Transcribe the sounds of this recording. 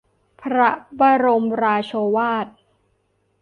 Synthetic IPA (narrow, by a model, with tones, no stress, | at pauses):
pʰɾa˦˥baː˧ɾo˧mɾaː˧t͡ɕʰoː˧waː˥˩t̪̚